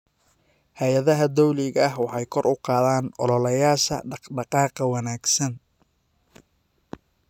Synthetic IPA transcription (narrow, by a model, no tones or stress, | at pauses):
hɐjɐðɐɦɐd̪ɔwlɪɣɐɐɦwɑħɑjkʰɔrʊqɑːðaːnʔɔlɔlɐjaːʃɐ̰ɖɑɖɑqɑːqɐwɑnaːɡsɐn